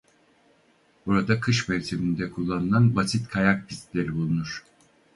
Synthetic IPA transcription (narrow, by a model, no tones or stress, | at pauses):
b̥uɾad̪akʰɯʃmɛjʲt̪ʰebind̪ɛkʰulˠːanɯlˠanbasit̪kʰajak̚pʰist̪lʲe̞ɾibulˠunuɾ̥